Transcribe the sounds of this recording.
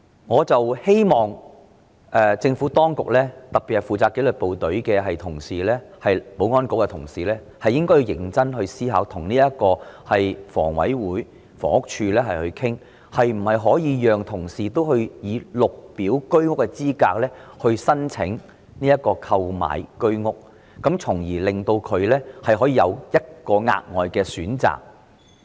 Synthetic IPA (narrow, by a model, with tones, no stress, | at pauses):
ŋɔː˨˧t͡sɐ˨whe˥jmɔː˨˩ŋ | ʔɛː˨t͡sɪ˧ŋfuː˨˥t̪ɔː˥ŋkʊ˨k̚lɛː˥t̪ɐ˨k̚pːi˨hɐ˨˩jfuː˨˩t͡saː˧kːe˨˥lɵ˨t̚po˨wt̪ɵ˨˥ɥkɛː˧hɦɐ˨jt̪ʰʊ˨˩ŋsiː˨lɛː˥hɐ˨jpo˨˧˥wŋɔː˥nko˨˥wkɛ˧t̪ʰʊ̰˨˩ŋsiː˨˩lɛː˥ | hɐ˨jːɪ˥ŋkɔː˥ji˧wjɪ˨˩ŋt͡sɐ˥nhɵ˧ɥsiː˥ɦa̰ː˨˥wt̪ʰʊ˨˩ŋniː˥jɐ˥t̚kɔː˧hɐ˨jfɔ̰ː˨˩ŋwɐ̰˨˥jwuː˨˥j | fɔː˨˩ŋʊ˥k̚t͡ʃʰyː˧lɛː˥ɦɐ˨jhɵ˧ɥkʰɪ˥ŋ | hɐ˨jm̩˨˩hɐ˨jɦɔː˨˥jiː˨˧jœː˨ŋt̪ʰʊ˨˩ŋsiː˨t̪o˥whɵ˧ɥjiː˨˧lʊ˨k̚piː˨˥wkɵ˥ɥŋʊ˥kːɛ˧t͡siː˥kaː˧k̚lɛː˥hɵ˧ɥsɐ˥nt͡sʰɪ̰˨˥ŋ | niː˥jɐ˥t̚kːɔː˧kʰɐ˧wma̰ː˨˩jkɵ˥ɥŋʊ˥k̚ː | ɐ˨˥mt͡sʰʊ˨˩ŋjiː˨˩lɪ˨ŋt̪o˧wkʰɵ˨˧ɥlɛː˥hɐ˨jɦɔː˨˥jiː˨˧jɐ̰˨˧wjɐ˥t̚kɔː˧ŋa̰ː˧t̚ŋɔː˨jkɛː˧syː˨˥nt͡sa̰ː˨˩k̚